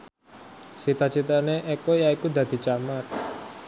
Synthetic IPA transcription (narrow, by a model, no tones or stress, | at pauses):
sit̪at͡ʃit̪aneʔɛkojaikud̪ä̤d̪̥i̤t͡ʃamat̪̚